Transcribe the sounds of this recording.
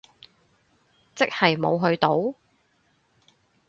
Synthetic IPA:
t͡sɪ˥k̚hɐ˨jmo˨˧wɦɵ˨˧ɥt̪o˨˥w

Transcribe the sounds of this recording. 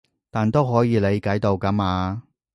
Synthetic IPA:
t̪aː˨nt̪o˥wɦɔː˨˥jiː˨˧le˨˧jkɐ˨˥jt̪o˧wkɐ˨˥maː˨˧

